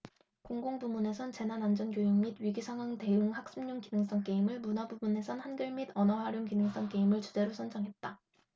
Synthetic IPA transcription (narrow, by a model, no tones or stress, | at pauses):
koŋɡoŋbumune̞sʰʌnt͡ɕe̞nanand͡ʑʌnkjojoŋmid̚ɥiɡisʰaŋɦwaŋte̞ɯŋhak̚s͈umɲuŋkinɯŋs͈ʌŋk͈e̞imɯɭmunabubune̞sʰʌnhanɡɯɭmidʌnʌɦaɾjoŋkinɯŋs͈ʌŋk͈e̞imɯɭt͡ɕud͡ʑe̞ɾosʰʌnd͡ʑʌŋɦe̞t̚t͈a